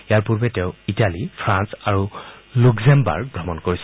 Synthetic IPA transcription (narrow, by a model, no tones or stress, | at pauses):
ijaɹpuɹbɛtɛʊ̃italipʰɹãnsaɹulukzɛmba̰ɹɡbɹɔmɔnkoɹisɛ